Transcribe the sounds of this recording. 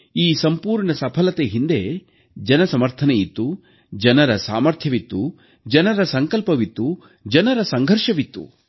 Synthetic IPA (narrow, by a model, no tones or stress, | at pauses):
iːsɐmpuːɾɳɐsɐpʰɐlɐt̪eɦind̪e | d͡ʒɐnɐsɐmɐɾt̪ʰɐneit̪ːu | d͡ʒɐnɐɾɐsa̰ːmɐɾt̪ʰjɐʋit̪ːu | d͡ʒɐnɐɾɐsɐŋkɐlpɐʋit̪ːu | d͡ʒɐnɐɾɐsɐŋɡʱɐɾʂɐʋit̪ːṵ